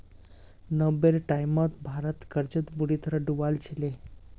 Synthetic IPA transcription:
nəbeɾʈajmət̪bʱaɾət̪kəɾd͡ʑət̪buɽit̪əɾəɖuʋalt͡ɕʰile

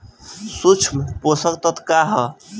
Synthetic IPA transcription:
sut͡ʃʰmposəkt̪ət̪kaɦə

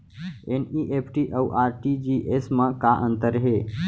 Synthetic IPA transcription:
eniʔepʰʈiʔəwʔaːɾʈid͡ʒiʔesmə̃kaʔə̃nt̪əɾɦe

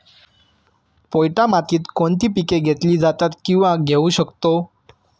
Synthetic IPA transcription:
pojʈamat̪iːt̪koɳt̪iːpikeɡʱet̪liːd͡zat̪at̪kĩw̃ʋãɡʱeũɕəkt̪o

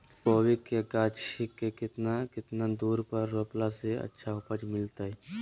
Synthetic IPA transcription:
poːwikːeɡaːʃikːekɪt̪nakɪt̪nad̪uːɾpəɾːoːplaseɐ̰tːʃʰaʊpəd͡ʒmɪlt̪aɦɛː

